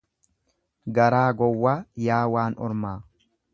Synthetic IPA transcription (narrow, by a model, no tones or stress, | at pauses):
ɡɐɾaːɡɔwːaːjaːwaːnɔ̰ɾmaː